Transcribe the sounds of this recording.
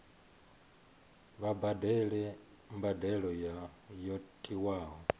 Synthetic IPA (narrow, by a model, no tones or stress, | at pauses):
βabadɛlɛ | mbadɛɺɔjajɔtʼiwaːɦɔ